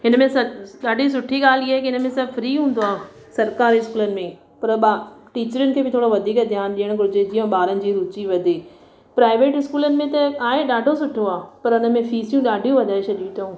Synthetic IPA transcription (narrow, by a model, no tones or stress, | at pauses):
ɦɪnəmẽsɐɗaːɖʱis̬ʊʈʰiɠaːliaːekiɦɪnə̆mẽsɐbfɾiːɦũːnd̪oaː | sɐɾkaːɾiɪskuːlənɪ̆mẽ | pɐɾɓaʈiːt͡ɕəɾɪʊnɪ̆kʰeːbɪt̪ʰoːɽoʋɐd̪ʱiːkd̪ʱjaːnɗiəɽ̃kɾʊd͡ʑed͡ʑiːə̃ɓaːɾənɪ̆d͡ʑiːɾʊt͡ɕiʋɐd̪ʱiː | pɾaːɪʋeːʈɦɪskuːlənɪ̆mẽt̪ɐkaːɦẽɗaːɖʱosʊʈʰoaːpɐɾʊnə̆mẽfiːsjũɗaːɖʱijũʋɐd̪ʱaːeʃʰɐʄit̪ʰũ